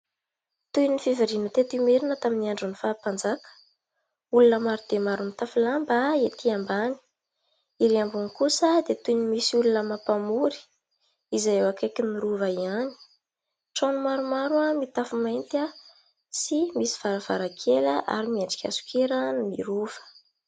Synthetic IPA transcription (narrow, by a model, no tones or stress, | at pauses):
t̪ujnifiviɾinət̪et̪imeɾinət̪aminiaɳɖ͡ʐunifaːpand͡zakə̥ | ulunəmaɾud̪̥emaɾumit̪afilambaet̪ʰiambani̥ | iɾiambunikusəd̪et̪ujnimisiulunəmapamuɾi̥ | izajewakakiniɾuvaiani̥ | ʈ͡ʂonumaɾumaɾuamit̪afumajnt̪a | simisi̥v̥aɾav̥a̰ɾakʰeləʔa̰ɾimiaɳɖ͡ʐi̥kʲa̰su̥kʰeɾənmḭɾuv̥ə̥